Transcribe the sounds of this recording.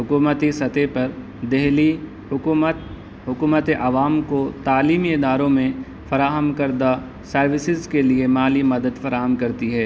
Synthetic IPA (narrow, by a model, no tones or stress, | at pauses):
ɦʊkuːmət̪isɐt̪epɐɾ | d̪ɛɦli | ət̪ | ɦʊkuːmət̪eʔɐʋaːmkot̪aːliːmiɪd̪aːɾõmẽ | fɐɾaːɦəmkɐɾd̪a | sɐɾʋɪsɪzkeliemaːlimɐd̪əd̪fɐɾaːɦəmkɐɾt̪iɦɛː